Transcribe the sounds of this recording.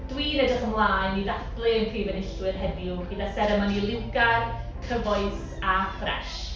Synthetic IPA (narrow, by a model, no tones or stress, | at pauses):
d̥wiːnɛdəχəmlˠaːnːiðaθb̥lenpʰriːvɛnɪɬwɪrɦɛniuɡ̥əðasɛɾəmanilˠɪwɡar | kʰəvɔɨs | afrɛ̰ʃ